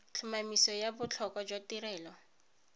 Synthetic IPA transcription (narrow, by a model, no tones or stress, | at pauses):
t͡ɬʰʊmamisɔjabʊt͡ɬʰɔkɔd͡ʒwatirɛːlɔ